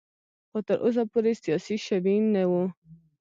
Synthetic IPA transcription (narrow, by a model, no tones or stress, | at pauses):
xot̪əɾʔo̰s̬apoɾesijɑsiʃabinːawu